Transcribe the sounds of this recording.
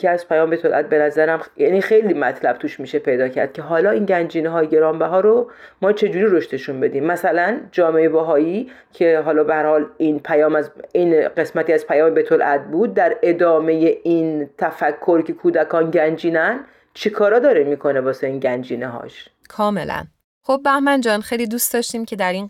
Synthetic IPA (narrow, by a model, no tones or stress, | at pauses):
keæz̥pʰæjɒːmbet̪ʰolʔæ̰t̪̚be̞næzæɾæmjæːniːxejliːmæt̪ʰlæb̥̚t̪ʰuːʃmiːʃe̞pʰe̞jd̪ɒːcʰæ̰ɾd̪̚cʰe̞ɦɒːlɒːiːnɟænd͡ʒiːneɦɒːjeɟe̞ɾɒːmbæɦɒːɾomɒːt͡ʃʰe̞d͡ʒuːɾiːɾo̞ʃt̪eʃunbe̞d̪iːmːæsælænd͡ʒɒːmeebæɦɒːjiː | cʰe̞ɦɒːlɒːbehæɾhɒːlinpʰæjɒːmæzinɢe̞smæt̪ʰiæz̥pʰæjɒːmebet̪ʰolʔæd̪̚buːd̪̚ːæɾe̞d̪ɒːme̞je̞ʔint̪ʰæfækʰːoɾcʰe̞kʰuːd̪ækʰɒːnɟænd͡ʒiːnæn | t͡ʃʰikʰɒːɾɒːd̪ɒːɾemiːkʰo̞nebɒːseiːnɟænd͡ʒiːneɦɒ̰ːʃ | kʰɒːme̞læ̰n | χobːæhmænd͡ʒɒnxejlid̪uːstd̪ɒːʃt̪iːmcʰe̞d̪æɾin